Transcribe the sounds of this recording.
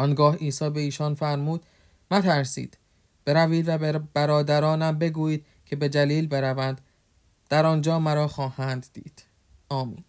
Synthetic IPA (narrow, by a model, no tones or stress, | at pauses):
ɒnɡɒːhiːsɒːbe̞iːʃɒnfæɾmuːd̪̥ | mæt̪ʰæɾsḭːd̪̥ | b̥e̞ɾæviːd̪væbæɾɒːd̪æɾɒːnæmbe̞ɡuːjiːd̪̥̚ | cʰe̞be̞d̪æliːlbe̞ɾævænd̪ | d̪̥æɾɒnd͡ʒɒːmæɾɒːxɒːhænd̪ːḭːd̪̥ | ɒːmḭːn